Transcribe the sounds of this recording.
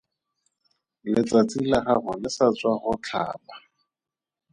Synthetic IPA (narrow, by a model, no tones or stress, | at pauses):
lɪt͡sʼat͡sʼilaχaχʊlɪsat͡sʼwaχʊt͡ɬʰa̰ːpa